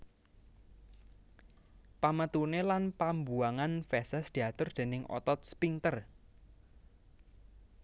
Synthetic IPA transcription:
pamət̪unelanpambuaŋanfɛsɛsd̪̥i̤at̪ʊrd̪̥e̤nɪŋʔɔ̰t̪ɔt̪̚spiŋt̪ər

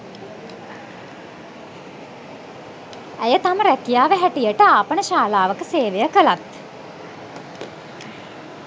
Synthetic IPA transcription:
æjət̪aməɾækijaːʋəɦæʈijəʈəaːpənəʃaːlaːʋəkəseːʋejəkəlat̪

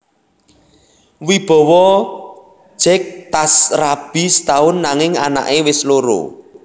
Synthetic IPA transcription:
wib̥ɔ̤wɔ | d͡ʒ̥ɛk̚t̪asrab̥i̤st̪aʊnːaŋɪŋa̰na̰ʔewɪsloɾo̰

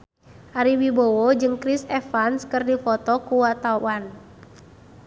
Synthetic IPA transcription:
ʔaɾiwibowɔd͡ʒɨŋkɾisɛfanskɨrdifɔt̪ɔkuwat̪awan

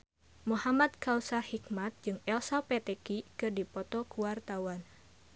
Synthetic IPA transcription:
muhamat̪̚kausahikmat̪̚d͡ʒɨŋɛlsapet̪ɛkikɨrdipɔt̪ɔkuwart̪awan

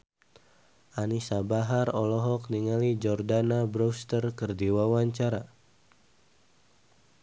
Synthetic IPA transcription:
ʔanisabaɦarɔlɔɦɔk̚niŋalid͡ʒɔrdanabɾost̪ərkərdiwawaɲt͡ʃaɾa

